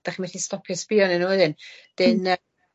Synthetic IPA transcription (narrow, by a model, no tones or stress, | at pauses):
d̥aχimɛθistɔpʰjɔspɪɔnɪnuwɛðɨnd̥ɪn